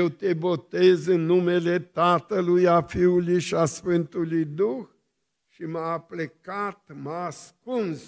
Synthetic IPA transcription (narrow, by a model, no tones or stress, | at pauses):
wt̪e̞bo̞t̪ezɨnːume̞le̞t̪at̪əlujafiulujʃiasfɨnt̪ulujd̪ux | ʃimaːplekat̪maːskuns